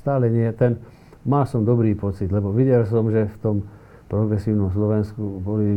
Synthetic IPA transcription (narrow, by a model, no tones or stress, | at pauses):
st̪aːlɛɲɪɛt̪ɛn | maːsɔmd̪ɔbɾiːpɔt͡sid̪lɛbɔʋiɟɛlsɔmʒɛft̪ɔm | pɾɔɡɾɛsiːʊnɔmslɔʋɛnskubɔli